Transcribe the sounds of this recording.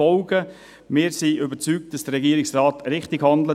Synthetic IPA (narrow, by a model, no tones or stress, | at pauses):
ɔlɡə | mɪːɾsiʔʏbəɾt͡syːk̚t̚d̥ɑsd̥ərɾɛɡiəɾɪksraːtɾɪχtɪɡhɑndlə